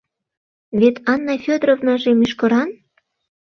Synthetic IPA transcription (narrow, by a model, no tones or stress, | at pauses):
βet̪ɑnːɑfʲød̪ɾovnɑʒemyʃkɤ̆ɾɑn